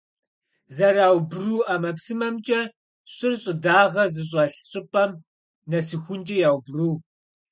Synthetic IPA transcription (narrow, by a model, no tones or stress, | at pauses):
zɐɾaːwbruːʔamɐpsɨmɐmt͡ʃʼɐ | ɕʼɪrɕʼɪdaːʁɐzɨɕ̬ʼɐɬɕʼɪpʼɐm | nɐsɨxʷʊnt͡ʃʼɐjaːwbruː